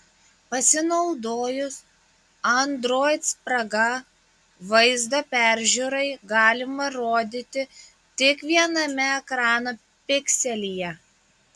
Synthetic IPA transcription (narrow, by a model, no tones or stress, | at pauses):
pɐsʲɪnɐʊd̪oːjʊs | ɐnd̪ɾoːjt̪spɾɐɡɐ | ʋɐɪzd̪ɐpʲæˑɾʲʒʲuɾɐɪɡɑːlʲɪmɐɾoːd̪ʲit̪ʲɪ | t̪ʲɪkʋʲiɛnɐmʲɛɛkɾɑːno | pʲɪkʲsʲɛlʲijɛ